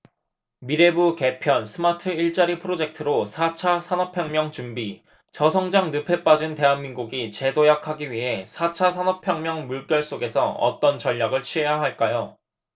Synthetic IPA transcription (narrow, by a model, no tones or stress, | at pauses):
miɾe̞buke̞pʰjʌnsʰɯmatʰɯiɭt͡ɕ͈aɾipʰɯɾod͡ʑe̞k̚tʰɯɾosʰat͡ɕʰasʰanʌpʰjʌŋmjʌŋt͡ɕumbi | t͡ɕʌsʰʌŋd͡ʑaŋnɯpʰe̞p͈ad͡ʑɯnte̞ɦanminɡuɡit͡ɕe̞dojakʰaɡiɥiɦe̞sʰat͡ɕʰasʰanʌpʰjʌŋmjʌŋmuɭk͈jʌɭs͈oɡe̞sʰʌʌ̰t͈ʌnt͡ɕʌʎːaɡɯɭt͡ɕʰiɦe̞jaɦaɭk͈ajo